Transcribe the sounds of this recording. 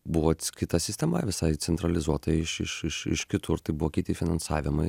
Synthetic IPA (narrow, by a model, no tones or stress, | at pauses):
bʊʋoːkʲɪt̪ɐsʲɪsʲt̪ʲɛmɐʋʲɪsɐɪt͡s̪ʲɛnt̪ɾɐlʲɪzuɔt̪ɐɪʃɪʃɪʃɪ̰ʃkʲɪt̪ʰʊɾt̪ɐɪbʊʋoːkʲɪt̪ʲɪfʲɪnɐnsɑ̰ːʋʲɪmɐɪ